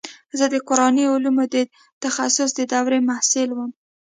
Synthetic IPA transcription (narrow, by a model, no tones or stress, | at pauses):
zəd̪əqʊɾɑniʊlumod̪ə | t̪axasʊs̬d̪əd̪ɑwɾemahsɪlwəm